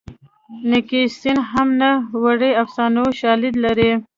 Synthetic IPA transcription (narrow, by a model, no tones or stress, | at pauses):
nɪkist̪inɦamnawaɽeafsɑnoʃɑlid̪laɾi